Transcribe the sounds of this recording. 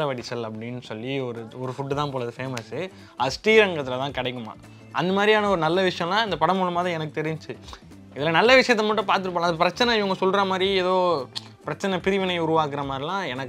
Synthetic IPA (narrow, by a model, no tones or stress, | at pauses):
ɐʋɐɽɪsɐlɐpːɐɽɪnːɯsɔlːiɔɾɯɔɾɯfʊʈːɯt̪ãːpoːɾɐðɯfeːmɐs | ɐðɐsʈiːɾɐŋɡɐt̪ːɪlɐt̪ãːkɐɽɐɪkːɯma̰ː | ʔɐ̰nd̪ɐmaːd̪ɾijaːnɐɔɾɯnɐlːɐʋɪʂɐjɐ̃lãːɪnd̪ɐpɐɽɐmʊɭɐmaːðɾiɛnɐk̬ːɯt̪ɛɾɪɲt͡ʃɯ | ɪðɪlaːnɐlːɐʋɪʂɐjɐt̪̬ːɐmɐːʈ̬ːʊ̃paːɾt̪ɯɾɯp̬ːɐːɭãːɐd̪ɐp̬ɪɾɐt͡ʃːɐnɐɪʋɐŋɡɐsɔlɾɐmaːd̪ɾiɛðoː | pɪɾɐt͡ʃːɐnɐpɪɾɪʋɪnɐɪʊɾʊʋaːkɯɾɐmaːd̪ɾilãːɛnɐkː